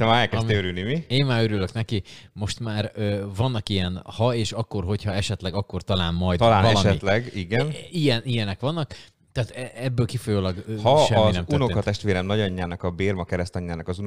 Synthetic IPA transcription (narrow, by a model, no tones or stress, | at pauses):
t̪ɛmaːɾɛlkɛsmøɾynimieːmmaːɾøɾylø̞knɛkimo̞ʃt̪maːɾøːvɒnːɒkijɛnhɒeːʃɒkːo̞rɦo̞cʰhɒɛʃɛt̪lɛɡɒkːo̞rt̪ɒlaːnmɒjd̪ɒlaːnɛʃɛilɛɡiɡɛnijɛnijɛnɛkʋɒnːɒk | t̪ɛːt̪ɛɛbːøːlkifojoːlɒɡhɒʃɛːnɛmt̪unokɒt̪ɛʃt̪ʋeːɾɛmnɒɟɒɲːaːnɒkɒbeːrmɒkɛɾɛst̪ɒɲːaːnɒkɒzu